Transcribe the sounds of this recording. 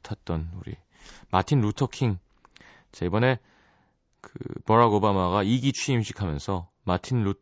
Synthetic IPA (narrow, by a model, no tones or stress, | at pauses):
tʰat̚t͈ʌnuɾḭ | matʰinɾutʰʌkʰiŋ | t͡ɕaibʌne̞ | kɯ̰pʌɾaɡobamaɣaiɡit͡ɕʰɥiːmɕʰi̥kʰamjʌnsʰʌ | matʰinɾut